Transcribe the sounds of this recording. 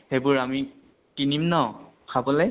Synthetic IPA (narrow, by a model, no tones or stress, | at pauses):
hebʊɹami | kinimnɔ | kʰabɔlɛ